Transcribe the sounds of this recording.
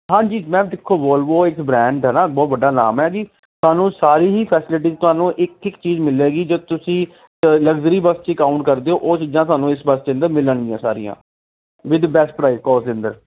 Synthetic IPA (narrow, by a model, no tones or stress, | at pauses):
ɦãːd͡ʒiːmɛ̃ːd̪ɪkʰːoːʋoːlʋoːɪkbɾɛ̃ːɳɖɦɛːnaːbɔːt̪bəɖːaːna̰ːmɛːd͡ʒiː | t̪ʊaːnũːsaːɾiːɦiːpʰɛːsɪlɪʈ̬iːt̪ʊɦaːnũːʔɪkʈʰɪkt͡ʃiːzmɪleːɡiːd͡ʒoːt̪ʊsĩː | ləɡzəɾiːbəst͡ʃɪkaːʊɳʈ̚kəɾd̪eːoːʔoːt͡ʃiːd͡ʒãːt̪ʊaːnũːɪsbəst͡ʃɪə̃nd̪əɾmɪləɳd̪ɪjãːsa̰ːɾijã̰ː | ʋɪd̪bɛːsʈpɾaːɪzkɔːsd̪eːə̃nd̪əɾ